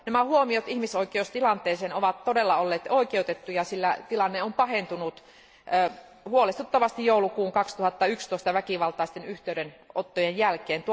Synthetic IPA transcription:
næmæhuomiot̪ihmisoikeost̪ilɑnt̪ˑeːseːnoʋɑt̪todelːɑolːeːt̪oikeut̪et̪ːujɑsilːæt̪ilɑnːeompɑhent̪unut̪ː | huolest̪ut̪ːɑʋɑst̪ijjoˑulukuːŋkɑkst̪uhɑt̪ːɑykst̪oˑist̪ɑʋækiʋɑlt̪ɑˑist̪enyht̪eyɾenot̪ːojenjælkeːnt̪u

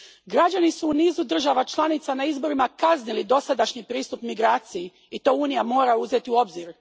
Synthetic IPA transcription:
ɡɾad͡ʑanisuːniːzud̪r̩ʒaʋat͡ʃlˠanit̪sanaizbo̞ɾimakaznilid̪o̞sad̪aʃɲipɾiːst̪upmiɡɾaːt̪siji | it̪o̞ːuːnijamo̞ːɾauzet̪iuo̞bziɾ

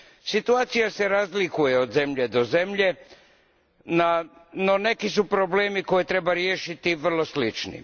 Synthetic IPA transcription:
sit̪uaːt̪sijase̞ɾazlikuje̞o̞d̪ze̞mʎe̞d̪o̞ze̞mʎe̞ | nano̞ne̞kisupɾo̞ble̞ːmiko̞jet̪ɾe̞baɾjeːʃit̪iʋr̩lˠo̞slit͡ʃnḭ

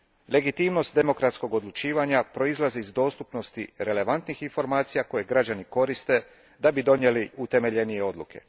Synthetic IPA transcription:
le̞ɡit̪iːmno̞st̪̚d̪e̞mo̞kɾat̪sko̞ɡo̞d̪lˠut͡ʃiːʋaɲapɾo̞izlˠaziizd̪o̞ːst̪upno̞st̪iɾe̞le̞ʋant̪nixinfo̞ɾmaːt̪sijako̞je̞ɡɾad͡ʑaniko̞ɾist̪e̞ | d̪abid̪o̞nje̞liut̪e̞me̞ʎe̞nije̞o̞d̪lṵkʰe̞̰

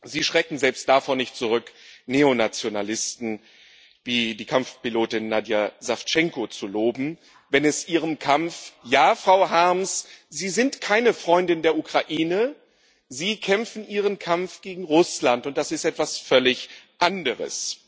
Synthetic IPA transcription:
ziːʃʁ̥ɛkŋ̩zɛlpst̚d̥afɔːɐnɪçt̚t͡suʁ̞ʏkneːonat͡sjonalɪstn̩ | viːdiːkʰamfpiloːtɪnːadjazaft͡ʃɛŋkot͡suloːbm̩ | vɛnɛsʔiːʁ̞əmkʰamfjaːfʁ̥aʊɦaɐmsziːzɪntkʰaɪnəfʁ̥ɔʏndɪndeːɐukʁ̥aʔiːnə | ziːkʰɛmfn̩ʔiːʁ̞ənkʰamfɡ̥eːɡŋ̩ʁʊslantʊnt̚d̥asɪstʔɛtv̥asfœlɪçʔandəʁə̰s

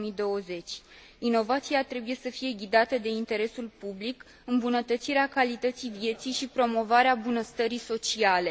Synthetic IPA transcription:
mid̪o̞əze̞t͡ʃʲ | ino̞vat̪siat̪ɾe̞buje̞səfije̞ɡʲid̪at̪əd̪e̞int̪e̞ɾe̞sulpublik | ɨmbunət̪ət̪siɾeakalit̪ət̪sivije̞t̪sijʃipɾo̞mo̞vaɾeabunəst̪əɾiso̞t͡ʃiale̞

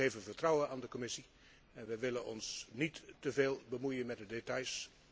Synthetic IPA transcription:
ejvənvərtrɔwənaːndəkɔmɪsi | ɛnʋəjʋɪlənɔ̰nsnitːəveːlˠbəmujənmɛt̚dədetɑjs

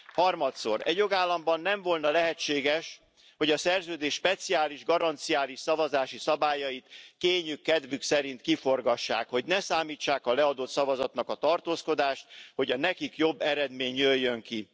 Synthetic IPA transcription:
hɒrmɒt̪so̞̰rɛ̰ɟjoɡaːlːɒmbɒnːɛɱvo̞lnɒlɛɦɛt͡ʃːeːɡɛʃ | ho̞ɟɒsɛrzøːd̪eːʃʃpɛt̪siaːliʒɡɒɾɒnt̪sijaːliʃsɒvɒzaːʃisɒbaːjɒjit̪keːɲykːɛd̪vyksɛɾint̪kifo̞rɡɒʃːa̰ːkho̞ɟnɛsaːmiːt͡ʃːaːkɒlɛɒd̪ot̪sɒvɒzɒt̪nɒkɒt̪ɒrt̪oːsko̞d̪aːʃt̪̚ho̞ɟɒnɛkikjo̞bːɛɾɛd̪meːɲjøjːøŋki

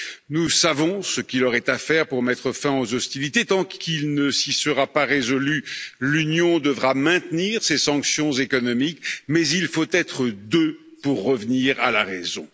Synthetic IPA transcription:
nusavɔ̃səkilɔʁɛt̪afɛʁpuʁmɛt̪χəfɛ̃ozɔst̪ilit̪et̪ɑ̃kʰilnəsisəʁapaʁezɔlylynjɔ̃d̪əvʁamɛ̃t̪niʁsesɑ̃ksjɔ̃zekɔnɔmikmɛzilfot̪ɛt̪χəd̪øpuʁːəvniʁalaʁezɔ̰̃

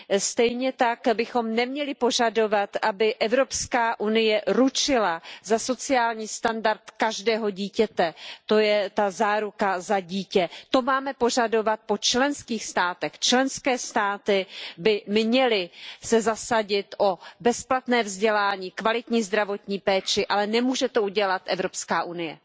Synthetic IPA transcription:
st̪ɛjɲɛt̪akbɪxo̞mnɛmɲɛlɪpo̞ʒado̞vat̪ʔabɪʔɛvɾo̞pskaːʔunɪjɛɾut͡ʃɪlazaso̞t͡sɪaːlɲiːst̪andaɾt̪kaʒdɛːɦo̞ɟiːcɛt̪ɛt̪o̞jɛt̪azaːɾukazaɟiːcɛt̪o̞maːmɛpo̞ʒado̞vat̪̚po̞t͡ʃlɛnskiːxst̪aːt̪ɛxt͡ʃlɛnskɛːst̪aːt̪ɪbɪmɲɛlɪsɛzasaɟɪt̪ʔo̞bɛsplat̪nɛːvzɟɛlaːɲiːkvalɪt̪ɲiːzd̪ɾavo̞t̪ɲiːpɛːt͡ʃɪʔalɛnɛmuːʒɛt̪o̞ʔuɟɛlat̪ʔɛvɾo̞pskaːʔunɪjɛ̰

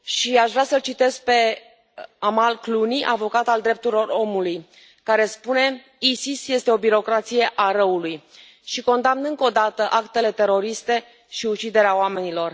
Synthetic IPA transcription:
ʃiaʃvɾʲasəlt͡ʃit̪e̞sk̚pe̞ | amalkluniʔa̰vo̞kat̪ald̪ɾe̞p̚t̪uɾilo̞ro̞muluj | kaɾe̞spune̞ | isisje̞st̪e̞o̞biɾo̞kɾat̪sije̞ʔaɾəuluj | ʃiko̞nd̪amnɨŋko̞d̪at̪əʔakt̪e̞le̞t̪e̞ɾo̞ɾist̪e̞ | ʃiut͡ʃid̪e̞ɾeaowame̞nilo̞r

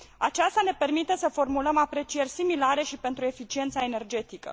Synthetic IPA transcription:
at͡ʃast̪ane̞pe̞rmit̪e̞səfo̞rmuləmapɾe̞t͡ʃije̞rʲsimilaɾe̞ʃipe̞nt̪ɾue̞fit͡ʃie̞nt̪sae̞ne̞rd͡ʒe̞t̪ikə̰

